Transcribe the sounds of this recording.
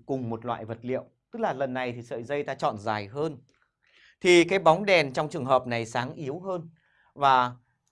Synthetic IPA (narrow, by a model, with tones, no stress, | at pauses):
kʊ˨˩ŋ͡mmo˨˩t̚lwa̰ː˧˨jvə˨˩t̚lḭ˧˨əwt̪ɨ˦˥k̚laː˨˩lə˨˩nːa˨˩jt̪ʰi˨˩sə̰ː˧˨jzə˧jt̪aː˧t͡ɕɔ̰˧˨nzaː˨˩jɦəː˧n | t̪ʰi˨˩kaː˨˦jɓɔ˨˦wŋ͡mɗɛ˨˩nt͡ɕɔ˧wŋ͡mt͡ɕɨ˨˩əŋɦəː˨˩p̚na˨˩jsaː˨˦ŋʔi˨˦əwɦəː˧n | vaː˨˩